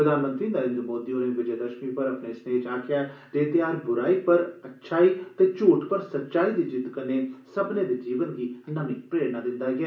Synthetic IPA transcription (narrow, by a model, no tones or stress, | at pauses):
pɾəd̪aːnmə̃nt̪ɾiːnəɾẽːnd̪ɾəmoːd̪iːoːnẽːʋɪd͡ʒeːd̪əʃmiːpəɾəpneːsneːt͡ʃaːkʰɪjaːd͡ʒ̪eːt̪ɪjaːɾbʊɾaːiːpəɾətːʃʰaːiːt̪eːt͡ʃuːʈpəɾsət̪ːʃaːiːd̪iːd͡ʒɪt̪kənːeːsəbneːd̪eːd͡ʒiːʋənɡiːnəmɪkpɾeːɽnaːd̪ɪnd̪aːɡɪɛː